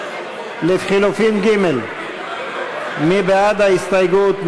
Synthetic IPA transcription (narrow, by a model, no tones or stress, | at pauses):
lefχilufinɡimel | mibead̪haist̪ajɡut̪m